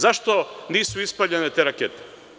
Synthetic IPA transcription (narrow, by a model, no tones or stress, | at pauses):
zaʃt̪o̞niːsuispaʎenet̪eːɾakeːt̪e̥